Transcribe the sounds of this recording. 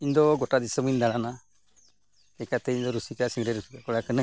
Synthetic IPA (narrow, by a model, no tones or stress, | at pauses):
iɲd̪ɔɡɔʈad̪isəmund̪aɽana | ɛkat̪ɛiɲd̪ɔɾusikasiŋɾɛɾusikakɔɽakənə